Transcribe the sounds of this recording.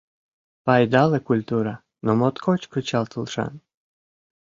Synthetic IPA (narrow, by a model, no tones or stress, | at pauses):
pɑjd̪ɑlekulʲt̪uɾa | nomot̪kʰɔt͡ɕkət͡ɕɑlˠt̪əlˠʃɑ̰n